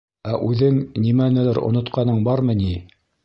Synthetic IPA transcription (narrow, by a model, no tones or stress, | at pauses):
æʔʉðɘŋnimænɘ̆læɾŏ̰nŏt̪qɑnɤɴbɑɾmɤ̆ni